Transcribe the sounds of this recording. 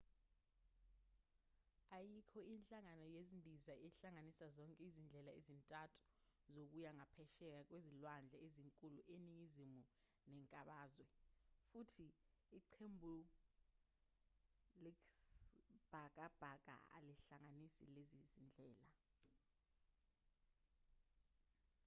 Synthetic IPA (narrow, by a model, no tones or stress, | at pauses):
ajikʰɔinɬʼaŋanɔjezindʱizaʔɛɬaŋanisazɔŋkʼɛizind͡ɮʱɛlaezintʼatʰu̥zok̬ʼujaŋapʰɛʃɛk̬ʼak̬ʼwezilwand͡ɮʱɛeziŋkʼuluʔeniŋizimu | nɛŋkʼaɓaːzwɛfutʰiːǃʰembʱu | liksb̥ʱakʼab̥ʱak̬ʼa̰a̰liɬaŋanisḭlezizind͡ɮʱɛːla